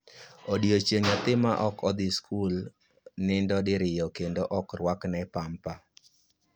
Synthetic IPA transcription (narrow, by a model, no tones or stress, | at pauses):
odiot͡ʃeŋat̪ɪmaʔɔkɔd̪ɪskʰul | nɪndɔdɪɾɪjɔkendoʔɔkrwaknɛpampa